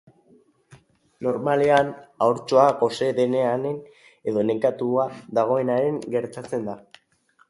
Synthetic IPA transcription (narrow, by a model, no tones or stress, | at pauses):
no̞ɾmale̞anawɾt͡ʃo̞ako̞se̞ðe̞ne̞ane̞n | e̞ðo̞ne̞kat̪uaðaɣ̞o̞e̞naɾe̞ŋɡe̞ɾt̪at͡se̞nd̪a